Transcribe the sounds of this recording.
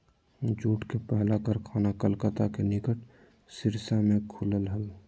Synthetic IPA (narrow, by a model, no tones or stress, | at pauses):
d͡ʒuːʈkepɛɦlakəɾkʰaːnakəlkət̪akenɪkəʈ | sɪɾsamẽkʰʊləlɦəl